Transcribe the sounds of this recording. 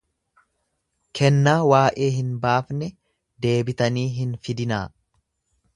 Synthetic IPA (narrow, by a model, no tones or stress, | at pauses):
kʰɛnːaːwaːʔe̞ːɦɪnbaːfnɛ | d̪e̞ːbɪt̪ɐniːɦɪnfɪd̪ɪnaː